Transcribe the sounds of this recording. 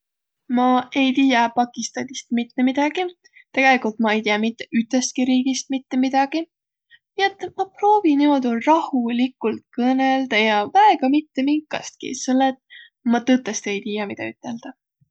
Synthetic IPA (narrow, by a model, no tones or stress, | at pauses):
mɑe̞jt̪iːjɑpɑkˑist̪ɑnist̪mit̪ːe̞mid̪̥ɑɡ̥i | t̪eɡ̥e̞likult̪̚mɑe̞jt̪ijɑmit̪ːˑe̥ʔyt̪ˑest̪̚kiɾiːɡist̪̚mit̪ːe̞mid̪̥ɑɡ̥i | niet̪ːmɑpro̞ːviniod̪urɑhulikːˑult̪̚kɤneld̪̥ɑjɑvæe̞ɡ̥ɑmit̪ːe̞miŋkːˑɑ̰st̪̚kḭselːet̪ | mɑt̪ɨt̪ːˑest̪e̞jt̪iːjɑmid̪̥ɑ̰yt̪ːˑe̞ld̪̥ɑ